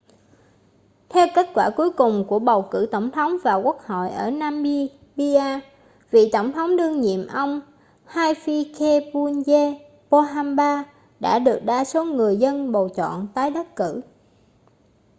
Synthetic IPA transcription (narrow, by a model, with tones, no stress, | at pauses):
t̪ʰɛ˧wke˦˥t̚kwaː˧˩ku˨˦əjkʊ˨˩ŋ͡mku˧˩əɓə˨˩wkɨ̰˧˩t̪ə˧˩wŋ͡mt̪ʰə˨˦wŋ͡mvaː˨˩ku˦˥ək̚ho̰˧˨jʔəː˧˩naː˧mɓi˧ | ɓi˧ʔaː˧ | vḭ˧˨t̪ə˧˩wŋ͡mt̪ʰə˨˦wŋ͡mɗɨ˧əŋɲḭ˧˨əmʔə˧wŋ͡m | haː˧jfi˧kʰe˧pu˧nze˧ | po˧ɦaː˧mɓaː˧ | ɗa̰ː˧˥ɗɨ˨˩ək̚ɗaː˧so˨˦ŋɨ˨˩əjzə˧nɓo˨˩t͡ɕɔ̰˧˨nt̪aː˨˦jɗə˦˥t̚kɨ̰˧˩˨